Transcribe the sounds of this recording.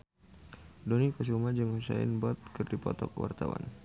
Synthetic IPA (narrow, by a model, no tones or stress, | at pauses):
dɔnikɔs̬umad͡ʒɨŋusaɪ̰nbɔt̪̚kɨrdipɔt̪ɔkwa̰rt̪awa̰n